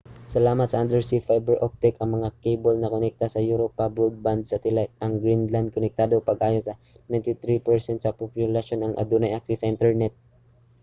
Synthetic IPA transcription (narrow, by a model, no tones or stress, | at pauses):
sɐlaːmɐt̪̚sɐʔand̪ɛɹsifajbɛɹʔop̚t̪ɛkɐŋmɐŋakejbolnɐkonɛk̚t̪asɐjuɾopɐbɹud̪̚band̪sɐt̪ɪlaɐŋɡɾinland̪̚konɛk̚t̪aːd̪opɐɡʔaːjonsɐ | najnt̪it̪ɾipɛɹsɛnt̪sɐpopjʊlɐʃonɐŋʔɐ̰d̪unɐjʔak̚sisɐʔint̪ɛɹnɛt̪̚